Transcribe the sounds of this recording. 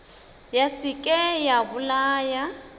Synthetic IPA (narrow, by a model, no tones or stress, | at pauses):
jasɪkʼɛjabʊlaːja